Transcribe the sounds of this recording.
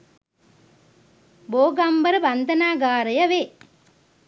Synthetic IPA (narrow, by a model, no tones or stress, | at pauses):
boːɡɐmbɐɾbɐnd̪ʱɐnaːɡaːɾɐjɐʋe